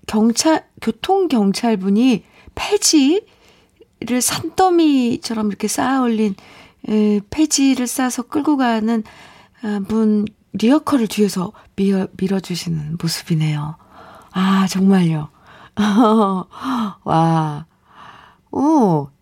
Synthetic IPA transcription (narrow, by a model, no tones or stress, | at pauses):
kjʌŋt͡ɕʰakjotʰoŋɡjʌŋt͡ɕʰaɭbuɲi | pʰe̞d͡ʑi | ɾɯɭsʰant͈ʌmit͡ɕʰʌɾʌmiɾʌkʰe̞s͈aoʎːin | ɯpʰe̞d͡ʑiɾɯɭs͈asʰʌk͈ɯɭɡoɡanɯn | bun | ɾiʌkʰʌɾɯɭtɥiʌsʰʌ | miʌmiɾʌd͡ʑuɕʰinɯnmosʰɯbine̞jo | at͡ɕʌŋmaʎjo | wa | o